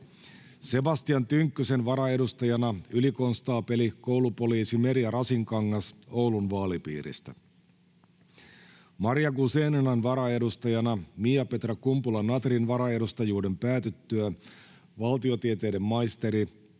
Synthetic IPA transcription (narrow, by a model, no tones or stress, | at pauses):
se̞bɑst̪iɑnt̪yŋkːyse̞nʋɑɾɑe̞dust̪ɑjɑnɑyliko̞nst̪ɑːpe̞liko̞wlupo̞liːsime̞ɾiɑɾɑsiŋkɑŋːɑso̞wlunʋɑːlipḭːɾḭst̪æ | mɑɾijɑkuseːnenɑnʋɑɾɑe̞dust̪ɑjɑnɑmijɑpe̞t̪rɑkumpulɑnɑt̪rinʋɑɾɑe̞dust̪ɑjuːde̞mpæːt̪yt̪ːøæ | ʋɑlt̪io̞t̪iet̪e̞ːde̞mːɑjst̪e̞ɾi